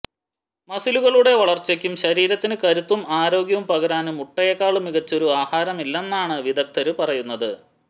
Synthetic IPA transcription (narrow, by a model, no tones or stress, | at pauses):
mɐsiluɣɐɭuɽe̞ʋɐɭɐrt͡ɕːɐkʲːumɕɐɾiːɾɐt̪ːinɨkɐɾut̪ːumaːɾo̞ːɡjɐʋumpɐɣɐɾaːnumuʈːɐjekːaːɭumiɣɐt͡ɕːo̞ɾuaːhaːɾɐmilːe̞nːaːɳɨʋid̪ɐk̚t̪ʰɐɾupɐrɐjunːɐðɨ